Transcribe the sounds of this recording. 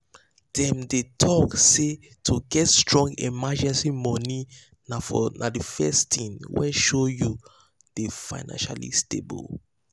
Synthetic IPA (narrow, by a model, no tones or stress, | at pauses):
d̥ɛ̃mdetʰɔkse | tʰoɡɛtstɹɔ̃ŋɡimad͡ʒɛ̃nsimɔni | nafɔnʔadifɛstʰĩnwɛ̰ʃoju | d̥efa̰ɪnã̰nʃa̰lḭstḛbo̰l